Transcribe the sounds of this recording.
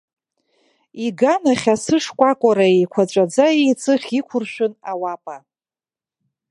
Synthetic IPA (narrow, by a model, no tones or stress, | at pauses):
iɡanaχʲasɨʂkʷʼakʷʼaɾaejkʷʰat͡ʃʷʼad͡zaejt͡sʼɨχʲikʷʰʊrʃʷᶣʊnawapʼa